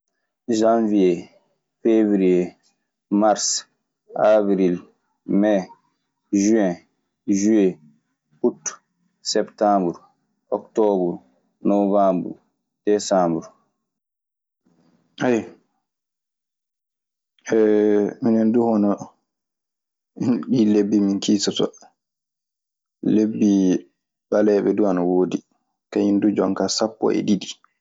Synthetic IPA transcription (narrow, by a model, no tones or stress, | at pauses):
ʒãnvie | fevɾie | maɾs | abɾil | mɛ | ʒuɛ̃ | ʒue | ut | sɛptambɾ | ʔɔktɔbuɾ | novambɾ | d̥ɛsambuɾ | aj | ɛminɛnduhɔnɔ | ɗilebːiminkiːsatɔ | lebːi | ɓalɛɓɛduanawoːdi | kajindud͡ʒɔŋkasapːɔ̰ʔɛ̰ɗidi